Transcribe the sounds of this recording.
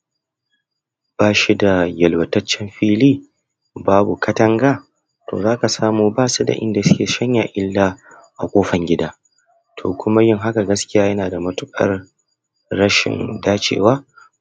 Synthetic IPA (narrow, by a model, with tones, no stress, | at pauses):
b̥aː˦˨ʃi˦da˨jɐ˨lwɐ˨tɐ˦t͡ʃːɛ˦mɸiː˦liː˦ | baː˦bu˨kʰɐ˦tɐ˦ŋɡaː˦˨ | tʰo̰ː˨zaː˦ka˨saː˦muː˨baː˦su˦da̰˨ʔɪ̰˦nda˨sɪ˦kʲeː˨ʃɐ˦ɲja˨ʔɪ˦lːaː˦ | ʔa̰˨kʷʼoː˦ɸɐ˨ŋɡʲɪ˦daː˦ | tʰo̰ː˨kʷʰʊ˦ma˦jɪ˦ŋɦa˦ka˨ɡɐ˦skʲɪ˦jaː˦jɐ˦naː˨da˨mɐ˦tʊ˦kʼɐ̰˦rː | ɐ˦ʃɪ̰˨ndaː˦t͡ʃḛː˨waː˦